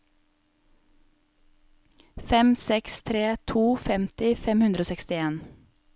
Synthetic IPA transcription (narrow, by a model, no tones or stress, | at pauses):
fɛmsɛkst̪ʰɾeːt̪ʰuːfɛmt̪ɪfɛmhʉnd̪ɾoːsɛkst̪ɪeːn